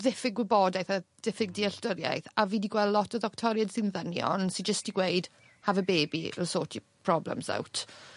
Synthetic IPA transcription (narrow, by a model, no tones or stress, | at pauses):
ðɪfɪɡwɪbɔdajθaðɪfɪɡ̚diɛɬd̥əɾja̰jθaviːdiɡwɛlˠlɔtʰɔðɔk̚tʰɔɾjədsɪnðənjɔ̰nsɪd͡ʒəstiɡwejd̥ | havəbeːbilˠsoːtʰipʰr̥ɔblɛ̰msa̰wtʰ